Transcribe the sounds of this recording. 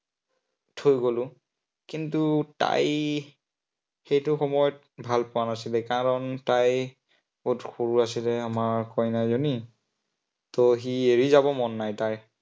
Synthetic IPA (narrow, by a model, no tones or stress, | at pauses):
tʰojɡolʊ | kintuta̰j | xejtʊxɔmɔjɔt̚ | bʱalpʊwanasilɛkaɹɔntaj | otxoɹuas̬ilɛamaɹkɔjnajzoni | tɔxieɹizabɔmɔnːajtaj